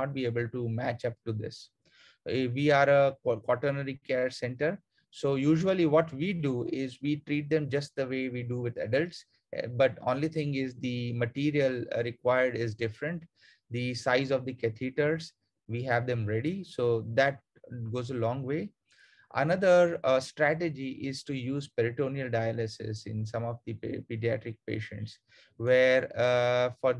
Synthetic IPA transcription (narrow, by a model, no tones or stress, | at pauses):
ɔʈ̚bieːbəlʈumæt͡ʃʌp̚ʈud̪ɪ̰s | ʋiːaːɾəkɔʈəɾnəɾikɛːɾsɛ̃ɳʈəɾ | soːjuːʒuəliʋɔːʈʋiːɖuɪzʋiːʈɾiːʈ̚d̪ɛ̃md͡ʒʌsʈ̚d̪əʋeːʋiːɖuʋɪd̪ɛ̰ɖəlʈs | bʌʈõ̰ːnlit̪ʰɪ̃ŋɪzd̪iməʈiːɾiəlɾɪkwaɪəɾɖɪzɖɪfɾə̃ɳʈ | d̪isaɪzɔʋd̪ikɛt̪ʰiʈəɾz | ʋiːɦɛʋd̪ɛ̃mɾɛɖisoːd̪æʈ̚ | ɡoːzəlɔ̃ːŋɡʋeː | ʔə̰nʌd̪əɾsʈɾæʈed͡ʒiʔɪzʈujuːzpɛɾɪʈõːniəlɖaɪələsɪ̰sɪ̰̃nsʌ̃mɔʋd̪ipiɖiæʈɾɪk̚pḛːʃə̰̃ɳʈs | ʋeːɾfɔɾ